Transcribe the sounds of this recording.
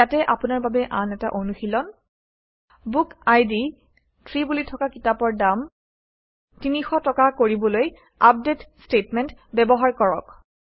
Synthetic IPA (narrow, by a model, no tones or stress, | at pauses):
atɛʔapunaɹbabɛʔanɛta̰ʔonuxilɔn | bukajdi | tʰɹibulitʰɔkakitapɔɹdam | tinixɔtɔkakoɹibɔloj | ap̚detstetmɛntbɛbɔɦaɹkɔɹɔk